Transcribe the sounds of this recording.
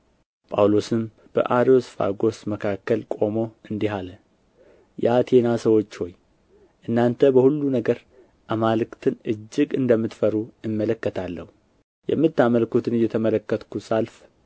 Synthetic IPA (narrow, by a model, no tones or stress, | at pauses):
pʼawlosɨm | b̥ə̰ʔaɾjo̞sfa̰ɡo̞sməkʰakːəlkʼo̞mo̞ɨnd̪iɦalə | jat̪ʰe̞nasəwo̞t͡ʃːho̞j | ʔɨnːant̪ʰəbəhulːunəɡəɾ | ʔamalɨkt̪ʰɨnʔɨd͡ʒːɪɡɨnd̪əmːɨt̪fəɾujɪmːələkːət̪ʰalːə̰hu | jɛ̰mːɨt̪ːaməlkut̪ʰɨnjːɛt̪ʰəmələkːət̪kusʼalf